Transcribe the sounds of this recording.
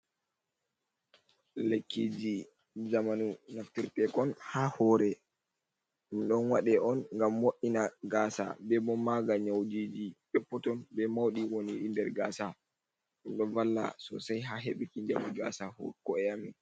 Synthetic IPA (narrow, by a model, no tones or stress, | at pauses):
lekːid͡ʒi | zamanunaftiɾtɛkɔnhaːhɔɾɛ | umɗɔnwaɗɛɔnŋɡamːoʔinaɡaːsa̰bɛbɔmaɡaɲawd͡ʒiːd͡ʒiɗɔpːɔtɔnbɛmawɗiwoniʔindɛɾɡaːsa | ɗunɗɔvalːa̰sɔ̰sajɦaɦeɓɛkindamiɡa̰sahɔ̰kɔɛami